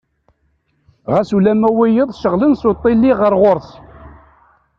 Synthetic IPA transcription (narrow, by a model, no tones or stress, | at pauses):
ʁæsulæmæwijəðˤʃəʁlənsot̪ˤːilːiʁəɾʁoɾs